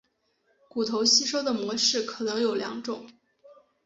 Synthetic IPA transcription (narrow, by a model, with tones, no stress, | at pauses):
ku˨˩t̪ʰo˧˥ʊɕi˥ʂo˥ʊd̪ə˨mwɔ˧˥ʂɻ̩˥˩kʰɤ˨˩nɤ˧˥ŋjo˨˩ʊljɑ̰˧˥ŋʈ͡ʂʊ˨˩˦